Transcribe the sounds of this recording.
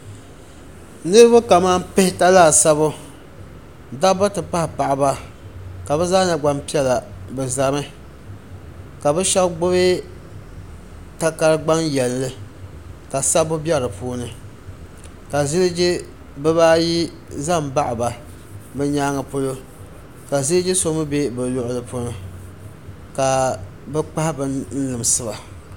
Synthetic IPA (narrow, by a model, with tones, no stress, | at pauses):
nɨ˦ɾɨ˦bʊ˦ka˨maː˦mpɪ˦hɪ˦ta˦laː˦˨sa˦βʊ˦ | da˦ba˦tɨ˨pa˦hɪ˨pa˨ʔɪ˨ba˦ | ka˨bɛ˦zaː˦na˨ɡ͡ba˦mpi˦ɛ˦la˨bɛ˨za˨mɨ˦ | ka˨bɛ˦ʃɛ˦lɡ͡bʊ˦βe˦ | ta˦ka˦ɾɨ˦ɡ͡ba˦ŋjɛ˨lːɨ˦ | ka˨sa˦bʊ˦bjɛ˦ɾɨ˨pʰuː˦nɨ˨ | ka˨zɪ˦lɨ˦d͡ʒɪ˦ | bɨ˦baː˦ji˦ | za˦˨mba˦ʔɪ˨ba˨ | bɨ˦ɲaː˦ŋa˨po˦lo˦ | ka˨zɪ˦ɨ˦d͡ʒɪ˦so˦mɨ˦be˦bɨ˨lʊ˦ʔʊ˦lɨ˨po˦nɨ˦ | ka˨ | bɛ˦k͡pa˦hbɨ˦n̩˦lɨ˨m˨sɨ˦ba˨